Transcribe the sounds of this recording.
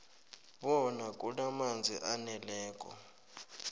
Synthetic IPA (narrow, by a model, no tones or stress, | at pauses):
ɓɔnakʼulamand͡zʱiʔanɛlɛːkʼɔ̰